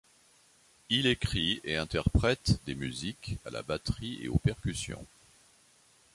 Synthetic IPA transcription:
ilekχieɛ̃t̪ɛʁpχɛt̪d̪emyzika̰la̰bat̪χieopɛʁkʲysjɔ̰̃

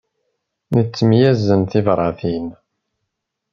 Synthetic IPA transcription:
nət͡sːəmjæzənθivɾˤɑθin

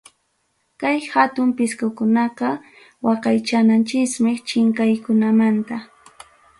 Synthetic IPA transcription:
kajhat̪ʊmpɪskʊkʊnɑqɑ | wɑqɑjt͡ʃanant͡ʃɪsmɪkt͡ʃɪŋkajkʊnamant̪a

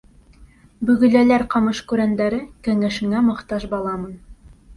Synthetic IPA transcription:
bɵ̆ɡɵ̆lælæɾqɑmɤʃkʉɾænd̪æɾɘkæŋæʃɘ̆ŋæmɤ̆qt̪ɑʃbɑlˠɑmɤn

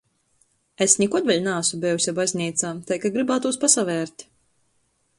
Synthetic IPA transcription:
esnʲikɔd̪vʲɛlʲnaːsubʲɛjusʲabazʲnʲiːt̪saːt̪ajkaɡɾibaːt̪uːspasavʲɛːɾt̪ʲ

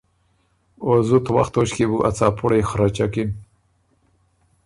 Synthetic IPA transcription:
ozut̪wa̰xt̪oʃkebuʔat͡sɑːpʰuɽejxɾat͡ʃakin

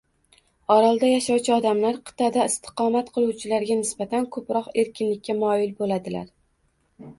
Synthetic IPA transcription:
ɒɾalˠd̪ajaʃɑwt͡ʃʰɪɒd̪amlaɾqʰɨ̥t̪ʰad̪aɪst̪ʰɪ̥qʰɒmat̪qʰɨlˠuwt͡ʃʰɪlaɾɡʲanɪsbat̪ʰankʰɵpɾɒqe̞ɾkʲʰɪnlɪkʲːamɒɪlbolad̪ɪla̰ɾ

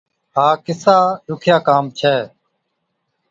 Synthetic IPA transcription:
ɦaːkɪsaːɗʊkʰjaːkaːmt͡ʃʰɛː

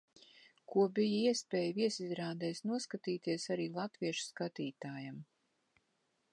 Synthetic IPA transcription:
kuɔbijaiɛspʲɛːjviɛsizɾaːd̪ɛːsnuɔskat̪iːt̪iɛsaɾiːlˠat̪viɛʃu̥skat̪iːt̪aːjam

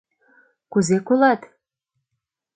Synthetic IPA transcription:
kuzekolɑt̪

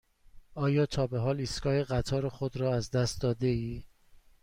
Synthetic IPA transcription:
ɒːjɒːt̪ʰɒːbeɦɒːliskɒːheɣæt̪ʰɒːɾexod̪ɾɒːæzd̪æst̪̚d̪ɒːd̪eiː

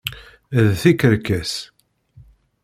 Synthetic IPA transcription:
ðθikəɾkæs

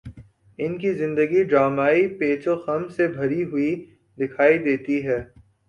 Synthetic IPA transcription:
ɪnkizɪ̃nd̪əɡiɖɾaːmaːipeːt͡ʃoxɐmsebʱɐɾiɦʊi | d̪ɪkʰaːid̪eːt̪iɦɛː

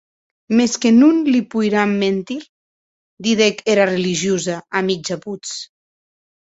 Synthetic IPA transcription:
meskenunlipujɾamːent̪iɾ | d̪iðekeɾareliʒjozaamid͡ʒaput͡s

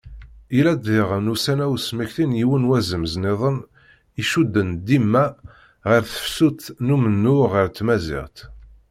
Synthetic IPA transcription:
ilæd̪ɪʁənusænæwsməçθinjiwənwæzəmzneðˤən | iʃud̪ːənd̪imːæ | ʁiɾθə̥fsut̪numənːuʁəɾt̪ːmæzɪ̰ʁt̪

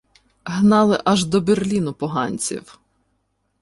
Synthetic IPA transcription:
ɦnɑlˠɪʔɐʒd̪ɔberlʲinʊpɔɦɑnʲt͡sʲḭw

